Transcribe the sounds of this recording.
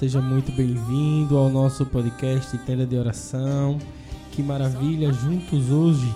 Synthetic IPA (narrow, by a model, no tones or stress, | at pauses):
seʒɐmũj̃t̪ʊbẽj̃vĩd̪ʊawnɔsʊpɔd̪ɪkɛʃt͡ʃ̪ɪt̪ẽd̪ɐd̪ɪɔɾasɐ̃w̃ | kɪmaɾaviʎɐʒũt̪ʊzoʒɪ